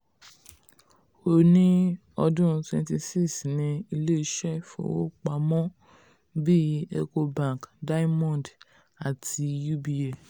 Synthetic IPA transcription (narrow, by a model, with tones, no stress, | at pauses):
o˨nĩ˦ | ɔ˧dũ˦˧twɛ̃˧nti˧si˦snĩ˧i˧le˦i˧˦ʃɛ˦fṵ̃˦˨˦wo̰˦k͡pa˧mɔ̃˦ | bi˦e˧ko˧bã˦˨kda˦i˦mɔ̃˦˨d | a˨tʰi˧ju˦bi˧e˨